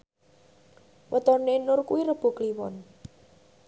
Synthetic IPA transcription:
wʔət̪ɔnenʊrkuwiɾəb̥ṳkliwɔn

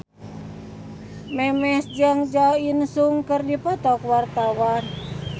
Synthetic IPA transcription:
mɛmɛsd͡ʒaŋd͡ʒainsuŋkərdipɔt̪ɔkwart̪awan

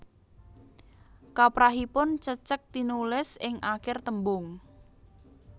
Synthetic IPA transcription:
kapɾaɦipʊnt͡ʃət͡ʃək̚t̪inulɪsɪŋʔakɪrt̪əmbʊŋ

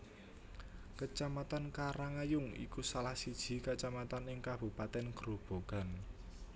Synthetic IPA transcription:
kət͡ʃamat̪ankaɾaŋajʊŋḭkusalahsid̥ʒ̥i̤kat͡ʃamat̪anɪŋkab̥ṳpat̪ɛnɡ̥ɾob̥o̤ɡ̥a̤n

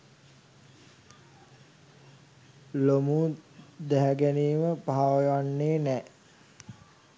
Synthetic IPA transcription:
lomuːd̪æɦæɡæniːməpaaʋəjanːeːnɛː

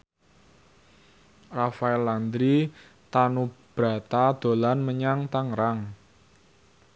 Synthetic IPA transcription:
rafaɛlːand̪ɾi | t̪anub̥ɾa̤t̪ad̪̥o̤lanməɲaŋt̪aŋɾaŋ

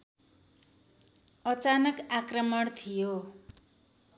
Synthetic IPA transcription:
ʌt͡sanʌkakrʌmʌɽt̪ʰijo

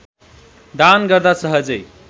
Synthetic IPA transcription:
d̪anɡəɾd̪asəɦəd͡ʒəj

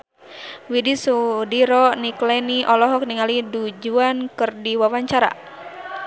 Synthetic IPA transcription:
widisudiɾɔniklɛniʔɔlɔɦɔk̚niŋalidud͡ʒuankɨrdiwawaɲt͡ʃaɾa̰

